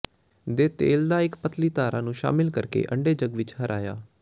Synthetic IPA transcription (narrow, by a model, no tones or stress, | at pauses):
d̪eːt̪eːld̪aːɪkpət̪liːt̪aːɾã̰ːnũːʃa̰ːmɪlkəɾkḛːʔə̰ɳɖeːd͡ʒəɡʋɪt͡ʃhəɾʔaːja̰ː